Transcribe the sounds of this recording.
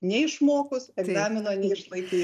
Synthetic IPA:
nʲɛɪʃmoːkʊsɛɡzɑːmʲɪnoːnʲɛɪʃlˠɐɪk̪ʲiː

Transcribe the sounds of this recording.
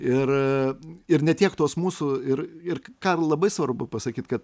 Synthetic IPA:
ɪr | ɪrnʲɛt̪ʲiɛkt̪oːsmuːsʊɪɾɪrkɑːlˠɐbɐɪsʋɐrbʊpɐsɐkʲiːt̪kɐt̪

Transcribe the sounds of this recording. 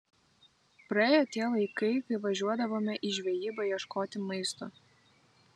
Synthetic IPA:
pɾɐeːjoːt̪ʲiɛlˠɐɪkɐɪkɐɪʋɐʒʲuɔd̪ɐʋoːmʲɛʔɪʒʲʋʲɛjiːbɐjiɛʃkoːt̪ʲɪmɐɪst̪oː

